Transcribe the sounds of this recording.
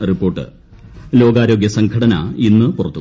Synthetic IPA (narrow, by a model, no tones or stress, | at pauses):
ripːo̞ːrʈːɨ̰ | lo̞ːɡaːɾo̞ːɡjɐsɐŋɡʰɐɽɐnɐ̰inːɨpurɐt̪ːu